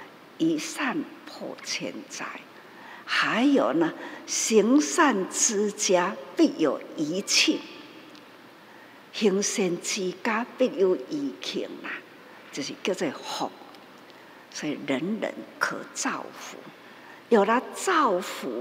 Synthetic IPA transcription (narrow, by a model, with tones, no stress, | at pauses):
i˨˩sa˥˧npʰɔ̰˧t͡ɕʰjɛ̰˧˩nt͡sa̰˧˩˦j | ha˨˦jjo˨˩nə˧ɕi˧˦ŋsa˥˧nt͡sɹ̩˦t͡ɕja˦pi˥˧˩jo˨˩ʊi˨˦t͡ɕʰi˥˩ŋ | hi˧ŋɕɛ˧nt͡ɕʰi˧ka˦pi˥˧ju˧˦ʔi˨˦kʰḭ˨˩ŋna˨ | t͡ɕjo˨˩ɕi˨˩kjo˥˧t͡se˧˩hɔ̰˨˩k̚ | sɔ˧˦i˨˧ɾə˨˦nɾə̰˧˦nkʰə̰˧˦t͡sa˥˨˧wfṵ˨˦ | jo˨˩ɾa˦t͡sa˥˧˨wfu˨˦